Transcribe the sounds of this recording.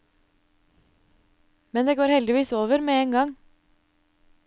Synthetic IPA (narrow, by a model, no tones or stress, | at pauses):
mɛnd̪eːɡoːɾhɛld̪ɪʋiːsoːʋəɾmeːeːŋɡɑŋ